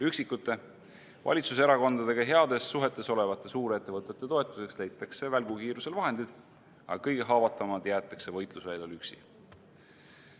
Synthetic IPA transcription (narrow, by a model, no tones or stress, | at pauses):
yksikːˑut̪ːˑe̞ | vɑ̰lʲit̪suse̞ɾɑko̞nd̪̥ɑd̪̥e̞ɡ̥ɑɦe̞ɑd̪̥e̞sːuɦe̞t̪ːˑe̞so̞le̞vɑt̪ːˑe̞suːɾet̪ːe̞vɤt̪ˑːe̞t̪ːˑe̞t̪o̞e̞t̪ˑːuse̞kslejt̪ːˑɑksevælɡukiːɾuse̞lvɑɦe̞nd̪id̪̥ | ɑ̰ɑkɤjɡ̥e̞ɦɑːvɑt̪ːˑɑmɑd̪̥jæːt̪ˑːɑkse̞vɤjt̪lusvæjlolyksḭ